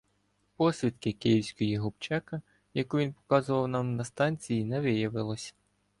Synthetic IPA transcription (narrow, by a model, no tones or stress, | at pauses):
pɔsʲʋʲit̪kɪkɪjiwsʲkɔjiɦʊpt͡ʃɛkɐ | jɐkuʋʲinpɔ̥kɑzʊʋɐwnɑmnɐst̪ɑnʲt͡sʲijinɛʋɪjɐʋɪlˠɔsʲɐ̥